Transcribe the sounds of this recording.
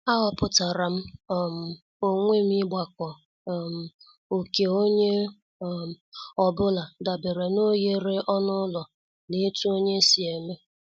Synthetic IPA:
a˦ɦɔ˦pʊ˦ta˨ɾa˨m̩˦˨m̩˨ | o˦ŋʷe˦m̩˦ɪ˦ɡ͡ba˨kʷɔ˨ | m̩˨ | o˨ke˨o˦ɲe˦˨ | ɔ˨bʊ˦la˨da˨be˨ɾe˨no˦ɣe˨ɾe˦ʔɔ˦nʊ˦lɔ˨ | ne˦tu˦o˦ɲe˦si˨e˨me˦

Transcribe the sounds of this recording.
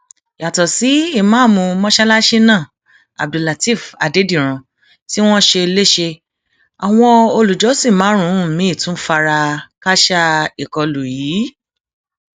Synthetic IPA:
ja˨tɔ˨si˨˦i˦˨mãː˨˦˨mũ˧mɔ̃˦ʃɛ˦la˦ʃi˦nãː˦˨ | a̰˨b̚di˨la˨ti˦˨fa̰˨de˨˦di˦˨ɾ̃ã˨ | ti˦w̃ɔ̃˦ʃe˧i˧le˦ʃe˧ | a˨w̃ɔ̃˧o˧lu˨d͡ʒɔ˨˦si˦˨mã˨˦ɾ̃ũ˨˦˨mĩ˨˦˨tũ˨˦fa˧ɾa˧ka˦ʃa˦i˨kɔ˧lu˨jiː˨˦

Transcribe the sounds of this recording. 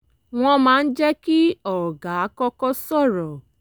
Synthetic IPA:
w̃ɔ̃˧mãː˨˦n̩˦d͡ʒɛ˦ki˦ɔ˨ɔ˨ɡa˨a˦kɔ˦kɔ˦sɔ˦˨ɾɔ˨

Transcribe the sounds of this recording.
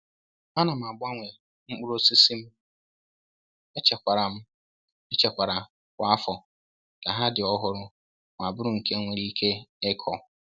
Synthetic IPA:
a˦nã˨m˨a˨bʊ˦a˦ŋʷɛ˨ | ŋ͡m̩˦k͡pu˦ɾo˦si˦si˦m̩˦ | ɛ˦t͡ʃʰɛ˨kʷa˨ɾa˨m̩˦ | ɛ˦t͡ʃʰɛ˨kʷa˨ɾa˨ | kʷa˦fɔ˨ | ka˨ɦa˦dɪ˨ɔ˦ɦʊ˦ɾʊ˦ | m˨a˨bʊ˦ɾʊ˦˨ŋ̩˨kʰe˦ŋʷe˨ɾi˦kʰe˦ɛ˦kʰɔ˨

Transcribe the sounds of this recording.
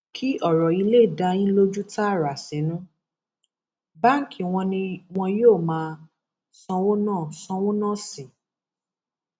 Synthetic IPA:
kʰi˦ʔɔ˦˨ɾɔ˨i˧le˦˨da˧ĩ˦lo˦d͡ʒu˦ta˦˨ɾa˨sĩ˨˦nũ˦ | ba˦ŋ̩˦ki˨˦w̃ɔ̃˧nĩ˧w̃ɔ̃˧joː˦˨mãː˦ | sɔ̃˧wo˦nãː˦˨sɔ̃˧wo˦nã˦˨si˨

